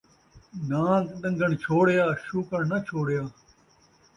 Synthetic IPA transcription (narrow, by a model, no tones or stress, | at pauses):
nãːtɗɐ̃ŋɡɐɳt͡ʃʰoːɽjaːʃuːkɐɳnɐt͡ʃʰoːɽjaː